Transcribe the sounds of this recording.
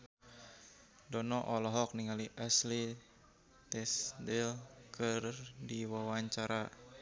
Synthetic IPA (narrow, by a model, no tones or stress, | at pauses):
dɔnɔʔɔlɔɦɔk̚niŋaliʔasli | t̪ɛsdɛlkɨrdiwawaɲt͡ʃaɾa